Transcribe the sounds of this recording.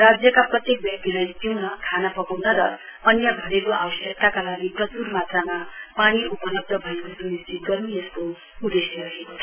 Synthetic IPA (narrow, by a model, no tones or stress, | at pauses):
rad͡zjʌkaprʌt̪jek̚bjʌk̚t̪iɾajt̪iwnʌkʰanapʌkawnʌɾʌ | ʌnjʌɡʱʌɾekoʔawʌsjʌk̚t̪akalaɡiprʌturmat̪ramapaɽ̃iupʌlʌb̚d̪ʌbʱʌekosunisd͡zit̪̚ɡʌɾiesko | ud̪esjʌɾʌɦekotʰʌ